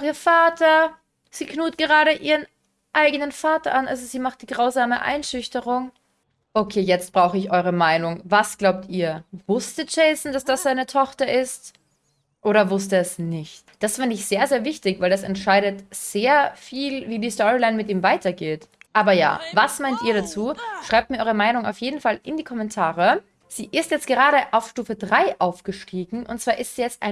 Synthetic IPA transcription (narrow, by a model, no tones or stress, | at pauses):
xiːɐfaːtʰɐ | z̥iːknuːtɡ̥əʁaːɾəʔiːʁən | ʔaɪɡənənfaːtɐʔanʔa̰lzoziːmaχt̚d̥iːɡʁaʊzaːməʔa̰ɪnʃʏçtəʁʊŋ | ʔokʰeːjɛt͡st̚b̥ʁaʊxəɪçʔɔʏʁ̞əmaɪnʊŋvasɡ̥laʊp̚tiːɐvʊstəd͡ʒ̥ɛɪsn̩d̥asd̥asz̥aɪnətʰɔxtɐʔɪst | ʔoːɾɐvʊstəɛsnɪçtd̥asfɪndəɪçz̥eːɐzeːɐvɪçtɪçvaɪldasɛntʃaɪɾətz̥eːɐfiːlviːdiːstɔʁilanmɪtʔiːmvaɪtɐɡeːtʔaːbɐja̰ːvasmaɪntiːɐɾat͡suːʃʁ̥aɪp̚tmiɐɔʁəmaɪnʊŋa̰ʊfjeːdn̩falɪndiːkʰɔmɛntʰaːʁə | z̥iːʔɪstjɛt͡stɡ̥əʁaːɾəʔaʊfʃtuːfədʁaɪʔaʊfɡ̥əʃtiːɡŋ̩ʔʊ̰ntt͡sv̥aːɐʔɪstz̥iːjɛt͡stʔa̰ɪn